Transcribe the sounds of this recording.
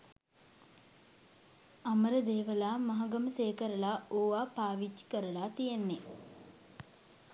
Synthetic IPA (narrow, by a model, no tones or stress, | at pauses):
aməɾəd̪eːʋəlaːmaɦaɡəməseːkəɾəlaoːʋaːpaːʋit͡ʃːi̥kəɾəlaːt̪ijenːe